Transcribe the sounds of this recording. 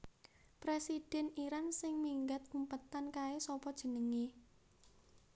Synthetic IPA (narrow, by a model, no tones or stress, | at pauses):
pɾesid̥ɛ̤niɾansɪŋmiŋɡat̪̚kumpət̪ankaesɔpɔd̥ʒ̥ə̤nəŋi